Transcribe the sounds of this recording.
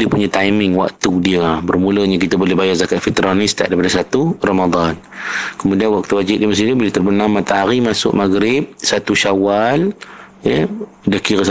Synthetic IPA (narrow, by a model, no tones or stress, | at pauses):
diəpuɲat̪ajmɪŋwa̰kt̪udiəbərmuləɲakit̪abolɛhbajarzakat̪̚fit̪əɾanɪst̪a̰ʔdaip̬adasat̪uramad̪ˤɑn | kəmudianwak̚t̪uwad͡ʒɪt̪̚diəməs̬ind̪ubolɛht̪ərbənamat̪aɦaɾimasʊ̰ʔmaɡɾɪp̚sat̪uʃawal | jə | dakiɾəs